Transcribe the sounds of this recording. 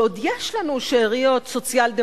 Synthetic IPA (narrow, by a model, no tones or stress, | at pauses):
od̪jeʃlanuʃeːʁijo̞t̪so̞t͡siald̪e